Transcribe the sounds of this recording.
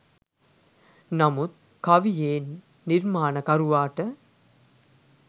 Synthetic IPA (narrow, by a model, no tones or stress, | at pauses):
nɐmut̪̚ | kɐʋijeːnː | iɾmaːnəkɐɾuʋaːʈə